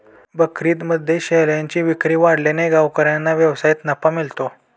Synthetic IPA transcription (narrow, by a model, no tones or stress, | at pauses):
bəkʰɾiːt̪məd̪ʱːeɕeɦljãɲt͡ɕiʋikɾiːʋaɽleneɡaʋkəɾjanːaʋjəʋsajit̪nəpamilt̪o